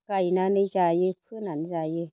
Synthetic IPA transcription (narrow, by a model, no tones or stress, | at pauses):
kajnanət͡ʃajepʰɨnanzaje